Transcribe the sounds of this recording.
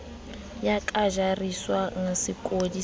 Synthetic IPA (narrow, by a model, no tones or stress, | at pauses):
jakʼaʒariswaŋ̩sɪkʼodi